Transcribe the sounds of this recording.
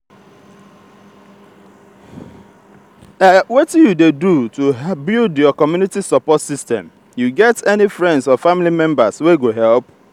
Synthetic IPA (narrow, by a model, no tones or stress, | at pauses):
ɛwɔtjudedutubildjɔkɔmjunitisɔpɔtsistɛ̰̃m | juɡɛtɛnifɹɛ̃ndsɔfamilimɛ̃mbasweɡoɦɛlˠp